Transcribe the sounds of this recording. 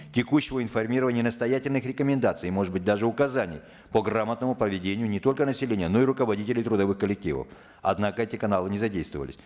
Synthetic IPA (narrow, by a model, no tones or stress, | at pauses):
tʲɪkuɕːɪvəɪnfɐrmʲiɾəvənʲɪjənəst̪ɐjatʲɪlʲnɨxɾʲɪkəmʲɪnd̪at̪sɨjmo̞ʐɨd̪bɨt̚ʲd̪aʐɨʊkɐzanʲɪ̰j | pəɡramət̪nəmʊpɾəvʲɪdʲenʲɪjʊnʲɪt̪o̞lʲkənəsʲɪlʲenʲɪjəno̞ɪɾʊkəvɐdʲitʲɪlʲɪjt̪ɾʊd̪ɐvɨxkəlʲɪk̚tʲivə̰f | ɐ̰d̪nakəɛtʲɪkɐnalˠɨnʲɪzɐdʲejst̪və̰və̰lʲɪ̰sʲ